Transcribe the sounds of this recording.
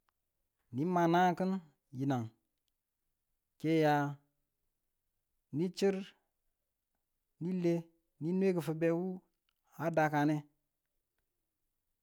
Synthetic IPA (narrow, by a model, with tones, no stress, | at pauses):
ni˦ma˨na˦kə˦n | ji˨na˨ŋ | ke˦ja˨ | ni˦t͡ʃi˦ɾ | ni˦le˦ | ni˦nwe˦kə˨fə˨be˨wu˦ | a˦da˨ka˨ne˦